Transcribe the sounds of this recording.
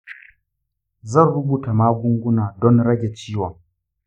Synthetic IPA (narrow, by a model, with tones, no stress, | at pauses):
zɐ˦˨nɽʊ˦buː˨ta˨maː˦ɡʷʊ˦ŋɡʷʊ˦naː˨dɔ˦nɽɐ˦ɡʲe˨t͡ʃiː˦wɔ˨ŋ